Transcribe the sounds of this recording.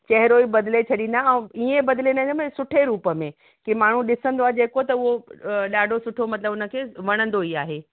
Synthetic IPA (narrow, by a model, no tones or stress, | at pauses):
t͡ɕɐɦɪɾoibɐd̪ɪlet͡ɕʰɐɗĩnd̪aɛ̃ːiẽbɐd̪ɪlẽnd̪əmẽsʊʈʰeɾuːpəmẽ | kimaːɳ̤ũɗɪsə̃nd̪oaɦed͡ʑeːkot̪ɐʊɦoɗaːɖʱosʊʈʰomɐt̪ləbʊnə̆kʰeːʋɐɽ̃ə̃nd̪oiaːɦeː